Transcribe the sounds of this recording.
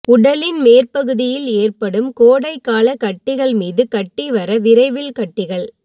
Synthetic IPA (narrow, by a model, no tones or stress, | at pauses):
ʊɽɐlɪnmeːrpɐɣɯðɪjɪleːrpɐɽɯmkoːɽɐɪkːaːɭɐkɐʈːɪɣɐɭmiːðɯkɐʈːiʋɐɾɐʋɪɾɐɪʋɪlkɐʈːɪɣɐɭ